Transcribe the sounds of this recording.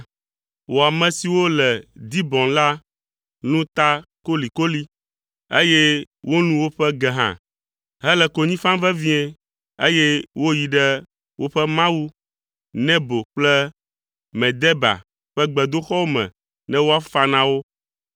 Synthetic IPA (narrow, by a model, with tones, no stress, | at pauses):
wo˨a˨mɛ̃˨si˨wo˦lɛ˨d̪i˦bɔ̃˨nla˦ | nũ˦t̪a˦ko˦li˨ko˦li˦ | e˦je˦ | wo˦nũ˦wo˦ɸɛ˦ɡɛ˨ɦã̰˨ | ɦɛ˦lɛ˨ko˨ɲĩ˦fã˦vɛ˦vĩ˦ɛ˦ | e˦je˦wo˦ji˨ɖɛ˦ | wʔo˦ɸɛ˦mã˦wu˦ | nɛ̃˦bo˨k͡plɛ˦ | mɛ̃˨d̪ɛ˦ba̰˨ | ɸɛ˦ɡ͡bɛ˨d̪o˦xɔ˦wo˦mɛ̰̃˨ | nɛ̃˦wo˦a˦fa˦nã˦wo˦